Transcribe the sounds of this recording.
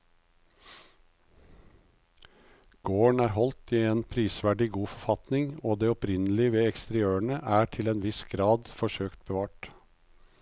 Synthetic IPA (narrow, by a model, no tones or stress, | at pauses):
ɡ̥oːɳæːɾhɔlt̪iːeːnpʰɾiːsʋæɖɪɡuːfɔfɑt̪nɪŋoːd̪eːɔpɾɪnəlɪʋeːɛkst̪əɾɪøːəɳəʔæːʈʰɪleːnʋɪsɡɾɑːd̪fɔʃøːkt̪̚bəʋɑːʈ